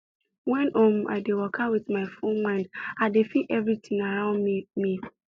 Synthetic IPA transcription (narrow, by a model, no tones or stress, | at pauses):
wɛ̃nʔɔma̰ɪdewɔkʰawiθmaɪfonmãɪ̃ndaɪdefiʔɛvɹitĩŋaɹãʊ̃nmi